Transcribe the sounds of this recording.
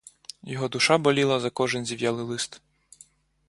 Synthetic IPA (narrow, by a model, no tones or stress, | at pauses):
jɔɦɔd̪ʊʃɑbɐlʲilˠɐzɐkɔʒɪnzʲiwjɑlˠɪlˠɪst̪